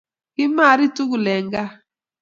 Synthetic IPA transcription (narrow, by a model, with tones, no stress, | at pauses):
i˦ma˦˨ɾi˦tu˦ku˨lɛ˨ŋɡa˦